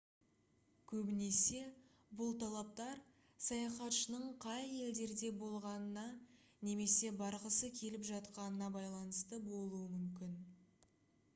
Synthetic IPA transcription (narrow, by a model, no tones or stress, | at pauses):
kʲʰɵbɪne̞se̞ | bʊlˠt̪ʰɑlˠɑp̚t̪ɑɾ | sɑjɑχɑt̪ʃənəɴqʰɑje̞ld̪e̞ɾd̪e̞bo̞lˠʁɑnənɑ | ne̞me̞se̞bɑɾʁəsəkʲʰe̞lɪpʒɑt̪qɑnənɑbɑjlˠɑnəst̪əbo̞lˠuəmʏmkʲɪn